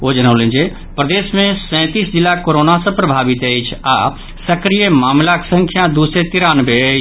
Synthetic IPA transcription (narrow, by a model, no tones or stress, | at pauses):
od͡ʒənəʊlẽnd͡ʒe | pɾəd̪eːsmẽsɛ̃ːt̪isd͡ʒilːakoɾonasə̃pɾəbʱabit̪əjt͡ʃʰa̰ | səkɾijəmaːmlaksə̃ŋkʰjad̪usɾet̪iɾaːnbeəjt͡ʃʰ